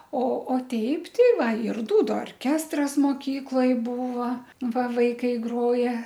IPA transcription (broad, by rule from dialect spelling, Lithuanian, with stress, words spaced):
oː oː ˈtʲɛɪp ˈtʲɪ ˈʋɐ ɪr ˈduːdʊ oːrʲˈkʲæːstrɐs moːˈkʲiːklˠoːj ˈbuːʋɐ ˈʋɐ ˈʋɐɪkɐɪ ˈɡroːjɛ